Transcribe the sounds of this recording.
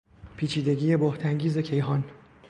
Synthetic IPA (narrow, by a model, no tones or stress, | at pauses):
pʰiːt͡ʃʰiːd̪e̞ɡiːje̞boht̪ʰæŋɟiːze̞cʰe̞jɦɒːn